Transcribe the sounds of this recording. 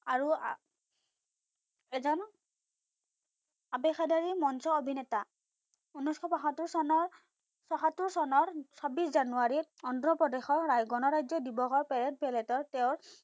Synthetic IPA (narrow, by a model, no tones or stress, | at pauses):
aɹu | ɛzɔn | apɛxadaɹimɔnsɔobʱinɛta | unuskʰɔbaɦatːuɹsɔnɔɹ | sɔxatːuɹsɔnɔɹsʰɔbiszanuaɹiɔndɹɔpɹɔdexɔɹːajɡɔnɔɹajzɔdibɔxɔɹpɛɹɛt̚bɛlɛtɔɹtɛʊ̃ɹ